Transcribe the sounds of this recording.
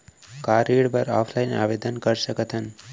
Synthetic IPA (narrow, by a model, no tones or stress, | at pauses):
kaɾiɽbəɾɔpʰlajnaʋed̪ənkəɾʃəkət̪ʰən